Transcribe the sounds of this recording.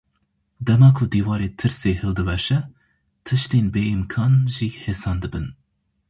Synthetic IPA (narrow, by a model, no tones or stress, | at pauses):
d̪ɛmɑːkʰʊd̪iːwɑːɾeːt̪ʰɨɾseːhɨld̪ɨvɛʃɛ | t̪ʰɨʃt̪eːnbeːimkʰɑːnʒiːheːsɑːnd̪ɨbɨn